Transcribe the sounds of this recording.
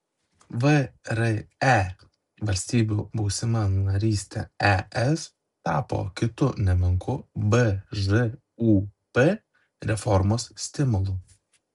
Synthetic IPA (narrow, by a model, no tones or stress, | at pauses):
ʋəɾɛɛ | ʋɐlʲsʲt̪ʲiːbʲuːbuʊsʲɪmɐnɐɾʲiːsʲt̪ʲɛ̰ɛʔɛs | t̪ɑ̰ːpo̰ːkʲɪt̪ʊnʲɛmʲɪŋkʊbəʒɨ | upɛ | ɾʲɛfɔɾmoːssʲt̪ʲɪmʊlˠʊ